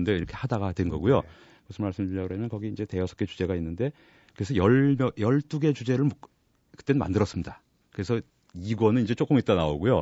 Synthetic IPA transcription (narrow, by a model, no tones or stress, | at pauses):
nde̞iɾʌkʰe̞hadaɡadwe̞nɡʌɡujo | mosʰɯnmaɭs͈ɯmt͡ɕud͡ʑaɡɯɦamjʌnkʌɡiːind͡ʑe̞te̞ʌsʰʌk͈et͡ɕu̥d͡ʑe̞ɡainːɯnde̞ | kɯɾe̞sʰʌjʌmʌjʌɭt͈uɡe̞t͡ɕud͡ʑe̞ɾɯɭmʌ | kɯ̥t͈enɯnma̰ndɯɾʌs͈ɯmɲida | kɯɾe̞sʰʌ | iɡʌnɯniɲd͡ʑe̞t͡ɕ͈ok͈ɯmit͈anao̰ɡujo